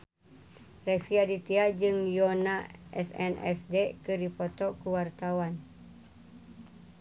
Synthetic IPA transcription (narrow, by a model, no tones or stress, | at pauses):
rɛksiadit̪iad͡ʒɨŋjonaɛsɛ̰nɛ̰sdekədipot̪ɔʔkuwart̪awan